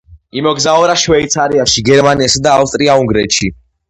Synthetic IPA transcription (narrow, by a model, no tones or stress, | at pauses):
imɔɡzaɔɾaʃwɛit̪sʰaɾiaʃiɡɛɾmaniɛsad̪aːfst̪ʼɾiauŋɡɾɛt̪ʃi